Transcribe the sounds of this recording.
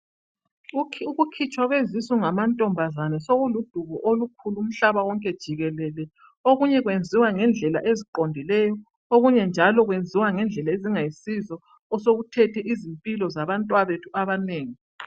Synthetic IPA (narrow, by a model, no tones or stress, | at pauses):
uɣukʰit͡ʃʼwaɣwezisuŋamantʼɔmbʱazanɛsoɣulud̥ʱuɣɔʔolukʰuluːm̩ɬaβawɔŋkʼɛd̥ʒ̥ʱiɣɛlɛlɛ | oɣuɲɛɣwend͡zʱiwaŋɛnd͡ɮʱɛla̰ʔeziǃondʱilɛjɔ | oɣuɲɛnd͡ʒʱalɔɣwend͡zʱiwaŋɛnd͡ɮʱɛlaeziŋajisizɔː | soɣutʰɛtʰɛʔizimpʼilɔzaβantʼwaβetʰuaβaneːŋi